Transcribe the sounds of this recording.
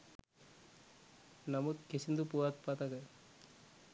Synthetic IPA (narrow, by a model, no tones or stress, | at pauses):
namut̪kesind̪upuat̪̚pat̪aka